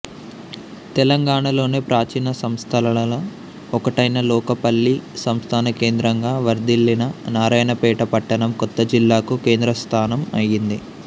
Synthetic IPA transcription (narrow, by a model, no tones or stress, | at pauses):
t̪ɛlɐŋɡaːɳɐlo̞ːne̞ːpɾaːt͡ʃiːnɐsɐmst̪ʰɐlɐlɐlɐ | ɔkɐʈɐjnɐlɔːkɐpɐɭːisɐmst̪ʰaːnɐke̞ːnd̪ɾɐŋɡaːʋɐɾd̪ilːinɐnaːɾaːjnɐpɛːʈɐpɐʈːɐɳɐmkɔt̪ːɐd͡ʒilːaːkuke̞ːnd̪ɾɐst̪ʰaːnɐmɐ̰jind̪i